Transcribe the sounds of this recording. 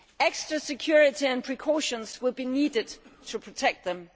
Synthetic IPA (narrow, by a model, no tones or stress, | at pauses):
eksdɹəsɪkʰj̥uɹɪtiæ̃npʰɹ̥ikʰɔʃə̃nswɪlˠbiniːdɪd̥̚tʰupʰɹ̥otʰɛk̚t̪̚ðə̃m